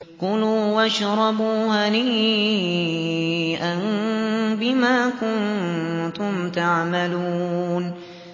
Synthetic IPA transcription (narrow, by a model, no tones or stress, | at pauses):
qʊluːwaʃɾˤɑbuːhaniː | ʔan | bɪmaːkʊnt̪ʊmt̪aʕmaluːn